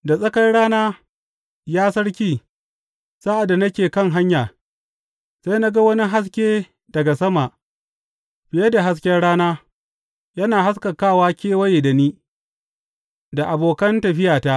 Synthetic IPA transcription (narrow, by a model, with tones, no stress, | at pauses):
da˨sʼɐ˦kɐ˦rɽaː˦naː˦ | jaː˦sɐ˦ɽkʲiː˦ | saː˦ʔa˨da˨nɐ˦kʲeː˨kɐ˦˨ŋɦa˦ɲjaː˨ | sa˦jna˦ɡa˦wɐ˦ni˦ɦa˦s̬kʲeː˦ | dɐ˨ɡa˨sɐ˦ma˨ | ɸɪ˨jɐ˦da˨ɦa˦s̬kʲɛ˦ɽaː˦naː˦ | jɐ˦naː˨ɦa˦skɐ˨kaː˦˨waː˦kʲeː˦wɐ˦je˨dɐ˨niː˦ | da˨ʔa˨boː˨kɐ˦ntɐ˨ɸɪ˦jaː˨ta˦ʔ